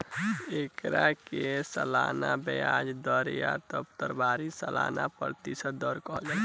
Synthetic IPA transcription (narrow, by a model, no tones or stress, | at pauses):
ekɾakesəlanabəjad͡ʒd̪əɾjat̪əbt̪əɾbaɾisəla̰napə̰ɾt̪isəd̪ːɔɾkɔɦd͡ʒa